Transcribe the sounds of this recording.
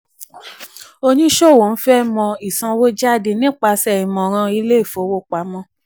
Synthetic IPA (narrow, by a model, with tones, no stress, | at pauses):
o˧ɲĩ˦ʃo˦˨wo˨n̩˦fɛ˦˨mɔ̃˧i˨sã˧wo˦d͡ʒa˦˨de˧nĩ˦k͡pa˧sɛ˦˨i˨mɔ̃˨ɾ̃ã˧i˧˦le˦i˦˨fo˨˦wo˦˨k͡pa˨˦mɔ̃˦